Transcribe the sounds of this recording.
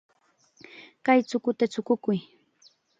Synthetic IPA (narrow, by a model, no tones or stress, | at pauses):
kajt͡sʊkʊt̪at͡ʃʊkʊkʊj